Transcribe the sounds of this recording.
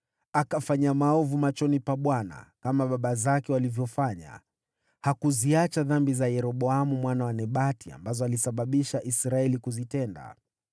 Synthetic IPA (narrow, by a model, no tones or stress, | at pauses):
akafaɲamaɔvumat͡ʃɔnipaɓwana̰kamaɓaɓazakɛwalivjɔfaɲa̰ | hakuziat͡ʃaðambizajɛɾɔɓɔamumwanawanɛɓatia̰mbazɔalisaɓaɓiʃaʔisɾaɛlikuzitɛnda̰